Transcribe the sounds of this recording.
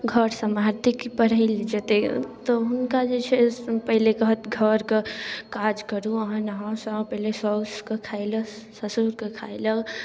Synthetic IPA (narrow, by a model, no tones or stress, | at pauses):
ɡʱəɾsəmaɾt̪ikipəɾəild͡ʒət̪et̪ɔɦunkad͡ʒet͡ʃʰɛpəɦilekəɦət̪ɡʱəɾkekad͡ʒkəɾuəɦãnəɦãsə̃pəɦilesəskekʰajləsəsuɾkekʰajlə